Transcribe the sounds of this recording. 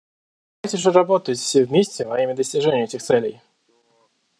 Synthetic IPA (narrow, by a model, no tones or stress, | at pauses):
ajtʲɪʐəɾɐbot̪ətʲfsʲevʲmʲesʲtʲɛvɐjimʲɪd̪əsʲtʲɪʐɛnʲɪjʊɛtʲɪxt̪sɛlʲej